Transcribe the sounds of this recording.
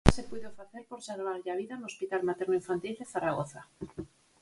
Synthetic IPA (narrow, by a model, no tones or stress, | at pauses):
sepwuðofaθelpoɾseɾβ̞aɾʝaβiðano̞spit̪almat̪eɾnoiɱfant̪ild̪eθaɾaɣoθa